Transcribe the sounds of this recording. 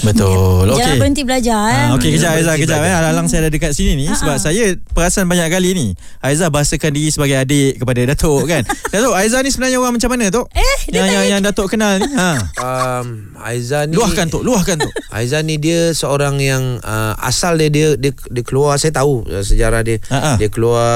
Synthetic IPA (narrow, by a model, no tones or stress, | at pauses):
bət̪olokebəənt̪ibəlad͡ʒaokekəd͡ʒaʔajzakkəd͡ʒaʔaalalaŋsajadadəkat̪̚sininisəbap̚sajapəɾaasanbaɲaʔkalini | aizahbaɦasəkandiɾisəbaɡajadet̪̚kəpadadat̪oʔkandat̪oajzanisəbənarɲaoɾaŋmat͡ʃamːanãt̪̬oʔɛjajaŋjaŋdat̪oʔkənalniɦãəm | a̰izaniluahkant̪oʔluahkant̪oʔa̰izanidiəsəoɾaŋjaŋəa̰saldiədiədiə | diəkəluasajat̪auə̰səd͡ʒaɾahdiəaʔadiəkəlua